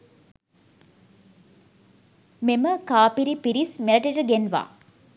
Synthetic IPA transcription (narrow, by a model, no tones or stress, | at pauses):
meməkaːpiɾipiɾismeləʈəʈəɡenʋa̰ː